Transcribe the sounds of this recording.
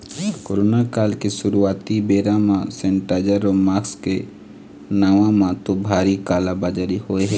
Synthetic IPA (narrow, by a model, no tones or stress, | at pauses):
koɾoːnakaːlkeʃʊɾuaːt̪ibeːɾãmãsɛ̃ɳʈaːd͡ʒəɾɔːmaːkske | naːʋãmãt̪obʱaːɾikaːlabad͡ʒaɾihoːeɦɛː